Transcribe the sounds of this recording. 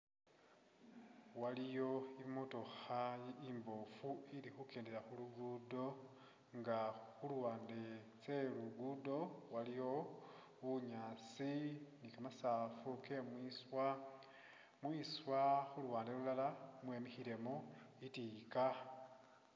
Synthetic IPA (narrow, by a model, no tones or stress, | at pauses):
walijo̞imutoxaimbofuilixukeːndeɾaxuluɡudo̞ | ŋɡaxulwaːnde̞ | t͡se̞luɡudo̞walijo̞ | βuɲaːt͡sinikamasafukemwiswa | mwiswaxulwaːndelulalamwe̞mixiɾe̞moitika